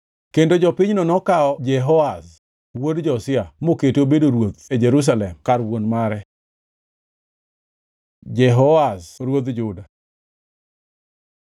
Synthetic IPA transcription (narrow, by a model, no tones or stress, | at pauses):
kendod͡ʒɔpɪɲnɔnɔkaɔd͡ʒɛɦɔas | wodd͡ʒɔsɪamoketobedoɾwot̪ed͡ʒɛɾus̬alɛmkarwonmaɾɛ | d͡ʒɛɦɔasɾwod̪d͡ʒʊda